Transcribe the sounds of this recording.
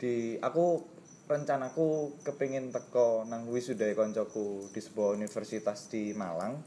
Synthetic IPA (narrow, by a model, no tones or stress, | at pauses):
d̥ia̰ku | rəɲt͡ʃanakukəpiŋɪnt̪əkɔnaŋwisudajkɔɲt͡ʃɔkud̥i̤sə̥buwaunifərsit̪asd̪̥ima̰laŋ